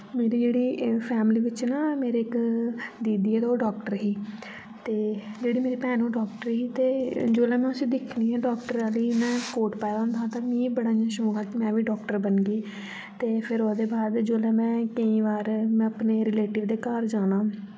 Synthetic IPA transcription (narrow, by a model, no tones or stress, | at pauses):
meːɾiːd͡ʒeːɽiːpʰɛːmliːʋɪt͡ʃnaːmeːɾeːɪkd̪iːd̪iːɛːt̪aːoːɖɔːkʈəɾɦiː | t̪eːd͡ʒeːɽiːmeːɾiːpɛ̃ːnũːɖɔːk̚ʈəɾɦiːt̪eːd͡ʒoːlɛ̃ːmɛ̃ːəsĩːd̪ɪkʰniːɦɛ̃ːɖɔːkʈəɾaːliːmɛ̃ːkoːʈpɛːd̪ãːnd̪aːt̪ãːmĩːbəɽaːãːʃõːɡaːkɪmɛ̃ːʋiːɖɔːkʈəɾbənɡiː | t̪eːpʰɪɾoːsd̪eːbaːd̪d͡ʒoːlɛ̃ːmɛ̃ːkəĩːʋaːɾmɛ̃əpneːɾɪleːʈɪʋd̪eːkaːɾd͡ʒaːnãː